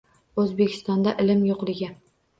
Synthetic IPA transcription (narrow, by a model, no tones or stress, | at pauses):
ɵzbekʲʰɪ̥st̪ɒnd̪aʔɪlɪmjoqlˠɪɡʲɪ